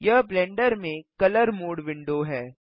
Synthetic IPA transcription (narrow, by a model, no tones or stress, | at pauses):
jɐɦblɛ̃ːɳɖəɾmẽkɐləɾmoːɽʋɪ̃ɳɖoɦɛː